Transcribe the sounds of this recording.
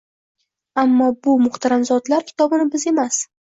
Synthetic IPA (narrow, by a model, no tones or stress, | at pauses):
amːɒbʊmʊχt̪ʰaɾanzɒd̪laɾkʲʰɪ̥t̪ʰɒbɪnɪbɪze̞mas